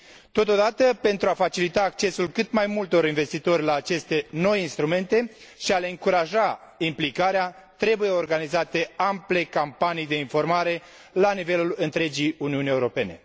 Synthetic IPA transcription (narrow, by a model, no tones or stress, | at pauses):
t̪o̞t̪o̞d̪at̪əpe̞nt̪ɾuafat͡ʃilit̪aːk̚t͡ʃe̞sulkɨt̪majmult̪o̞ɾinve̞st̪it̪o̞rʲlaːt͡ʃe̞st̪e̞no̞jinst̪ɾume̞nt̪e̞ʃiale̞ɨŋkuɾaʒa | implikaɾea | t̪ɾe̞buje̞o̞rɡanizat̪e̞ample̞kampanijd̪e̞info̞rmaɾe̞ | lanive̞lulɨnt̪ɾe̞d͡ʒiuniunije̞uɾo̞pe̞ne̞̰